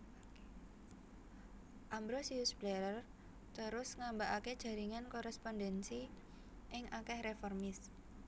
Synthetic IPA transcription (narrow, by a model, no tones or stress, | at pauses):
ʔambɾosiusb̥lɛɾər | t̪əɾʊsŋambaʔaked̥ʒ̥a̤ɾiŋankɔɾɛspɔndɛnsi | ʔɪŋʔakɛhrefɔrmɪs